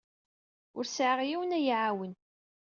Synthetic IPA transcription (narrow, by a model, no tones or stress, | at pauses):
ʊɾsʕəʁjiwənæjiʕawən